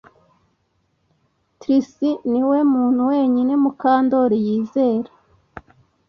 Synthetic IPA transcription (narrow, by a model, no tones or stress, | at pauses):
tɾisiniwe̞muːn̥huwe̞ːɲine̞mukaːndo̞ɾijiːze̞ːɾḁ